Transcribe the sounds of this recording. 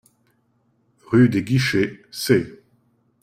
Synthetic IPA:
ʁyd̪eɡʲiʃese

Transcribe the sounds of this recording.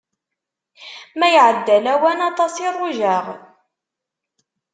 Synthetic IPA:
mæjʕəd̪ːælæwænɑt̪ˤɑsirˤːʊʒaʁ

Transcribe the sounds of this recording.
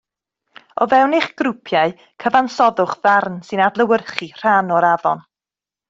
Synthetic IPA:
ɔvɛwnɪχɡ̥ɾʊpʰjaɨ | kʰəvansɔðʊχðarnsɨnadlˠəwərχir̥anɔɾavɔn

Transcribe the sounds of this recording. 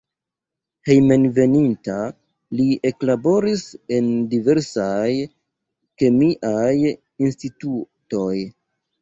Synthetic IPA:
he̞jme̞nve̞ninta | lie̞klabo̞ɾise̞ndive̞ɾsaj | ke̞miʔaj | instituto̞j

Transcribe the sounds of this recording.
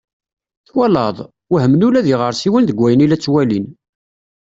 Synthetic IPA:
θwælɑðˤ | whəmnulæðiʁəɾˤsiwənðəɡʷːæjənilæt͡sːwælin

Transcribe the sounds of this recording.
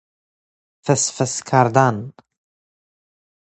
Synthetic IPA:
fəsfəskʰaɾd̪an

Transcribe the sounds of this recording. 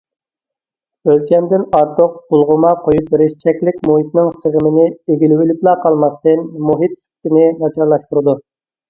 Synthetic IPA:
ølt͡ʃʰɛnd̪ɪnɑɾt̪ʰʊq̚b̥ulˠʁʊmɑqʰojup̚eɾɪʃt͡ʃʰɛkʲlɪkʲmuɦit̪nɪŋsəʁmɪnɪeɡʲilɪwɪlɪplˠɑːqʰɑlˠmɑst̪ɨnmuɦit̪̚ːʰy̥t̪ɪnɪnɑt͡ʃʰɑɾlˠɑʃt̪uɾɨd̪u

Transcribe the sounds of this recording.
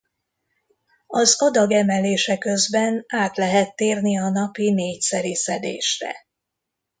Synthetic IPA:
ɒzɒd̪ɒɡɛmɛleːʃɛkø̞zbɛnaːt̪lɛɦɛt̪ːeːrniɒnɒpineːcsɛɾisɛd̪ḛːʃrɛ̰

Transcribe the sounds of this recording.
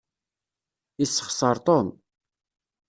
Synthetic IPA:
isːə̥χsˤɑɾˤt̪ˤon

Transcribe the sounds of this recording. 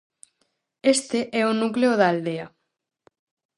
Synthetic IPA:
est̪eʔɛonukleoðaald̪eɐ

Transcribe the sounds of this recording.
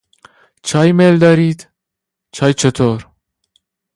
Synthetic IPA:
t͡ʃʰɑjmeld̪ɒɾiːd̪̥ | t͡ʃʰɑːjt͡ʃʰet̪ʰoɾ

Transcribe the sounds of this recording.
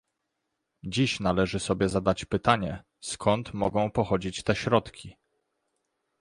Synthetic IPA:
d͡ʑiɕnalɛʐɘsɔbʲjɛzad̪at͡ɕpɘt̪aɲɛ | skʰɔnt̪mɔɡɔ̃w̃pɔxɔd͡ʑit͡ɕt̪ɛɕɾɔt̪kʲi

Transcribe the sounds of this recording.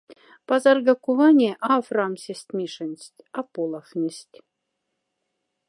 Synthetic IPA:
pɑzɑrɡɑkuvɑnʲeʔɑfrɑmsʲĕsʲt̪ʲmʲiʂɘ̆nʲsʲt̪ʲɑpolˠɑxnʲɘsʲtʲ

